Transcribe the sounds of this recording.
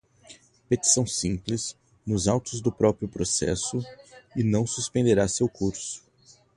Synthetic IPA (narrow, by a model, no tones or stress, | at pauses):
pet̪i̥sɐ̃w̃sĩpliz | nʊzawt̪ʊzd̪ʊpɾɔpɾjʊpɾosɛ̰sʊɪnɐ̃w̃suspẽnd̪eɾasewkuɾsʊ̥